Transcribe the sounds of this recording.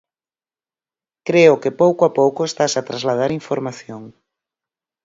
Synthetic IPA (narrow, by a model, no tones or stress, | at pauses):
kɾeʊkɪpowkoapowkʊest̪asat̪ɾazlaðaɾiɱfoɾmaθjoŋ